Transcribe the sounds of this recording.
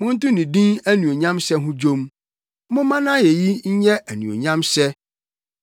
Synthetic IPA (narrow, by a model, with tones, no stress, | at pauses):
mʊ̃˦n̩˦tʊ̃˦nĩ˨dĩ˦næ˦nũ˨o˨ɲã˦msɛ˦ɦʊ̃˦d͡ʑõ˦m | mʊ̃˦mã˦nã˦je˨ji˦ɲ̩˦ɲɛ̃˦æ˨nṵ̃˨o̰˨ɲã˦msɛ˦